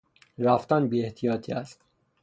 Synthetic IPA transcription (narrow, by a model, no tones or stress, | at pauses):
ɾæft̪ænbiːeht̪ʰijɒːt̪ʰiæst̪